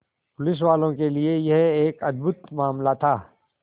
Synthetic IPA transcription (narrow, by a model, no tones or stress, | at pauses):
pʊlɪs̬ʋaːlõkeliejɐɦeːkɐd̪̚bʊt̪maːmlat̪ʰaː